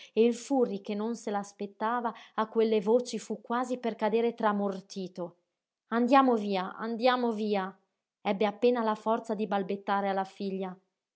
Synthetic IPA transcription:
eilfurːikenːonselaːspet̪ːaːvaːkːwelːevoːt͡ʃifukːwaːziperkad̪eːɾet̪ɾamort̪iːt̪o | and̪jaːmoviːaa̰nd̪jaːmoviːa | ɛbːeapːeːnalafɔrt̪sad̪ibalbet̪ːaːɾealafiʎːa

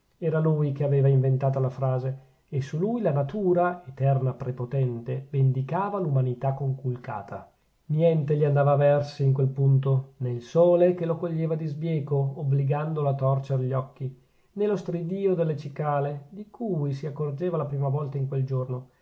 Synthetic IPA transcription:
ɛːɾalujkeaveːvaiɱvent̪aːt̪alafɾaːzeː | sulujlanat̪uːɾaet̪ɛrnapɾepot̪ɛnt̪evend̪ikaːvalumanit̪akːoŋkulka̰ːt̪ʰa̰ | njɛnt̪eʎiand̪aːvavɛrsiiŋk̬welpunt̪onelsoːlekelokoʎːeːvad̪izbjɛːkoːbliɡand̪olat̪ːɔrt͡ʃeɾʎɔkːi | nelost̪ɾid̪iːod̪elːet͡ʃikaːled̪ikʰuːjsiakːord͡ʒeːvalapɾiːmavɔlt̪aiŋkweld͡ʒorno

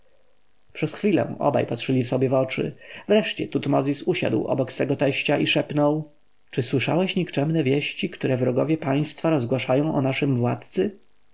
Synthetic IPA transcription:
pʂɛsxfʲilɛ̰̃w̃ɔ̰ba̰jpatʂɘlʲifsɔbʲjɛvɔt͡ʂɘ̰vɾɛʂt͡ɕɛt̪ut̪mɔzʲisuɕa̰d̪wɔ̰bɔksfɛɡɔt̪ɛɕt͡ɕaʔiʂɛpnɔw | t͡ʂɘswɘʂa̰wɛɕɲikt͡ʂɛmnɛvʲjeɕt͡ɕikt̪uɾɛvɾɔɡɔvʲjɛpaj̃st̪faɾɔzɡwaʂajɔ̃w̃ʔɔnaʂɘmvwat̪t̪sɘ

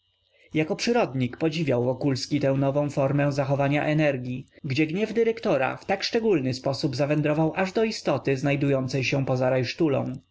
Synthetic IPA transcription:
jakɔpʂɘɾɔd̪ɲikpɔd͡ʑivʲjawvɔkulskʲit̪ɛ̃w̃nɔvɔ̃w̃fɔɾmɛ̃zaxɔvaɲaʔɛnɛɾɡʲjiɡd͡ʑɛɡɲɛvd̪ɘɾɛkt̪ɔɾa̰ft̪akʂt͡ʂɛɡulnɘspɔsubzavɛnd̪ɾɔvawʔaʐd̪ɔist̪ɔt̪ɘznajd̪ujɔnt̪sɛjɕɛ̃pɔzaɾajʂt̪ulɔ̰̃w̃

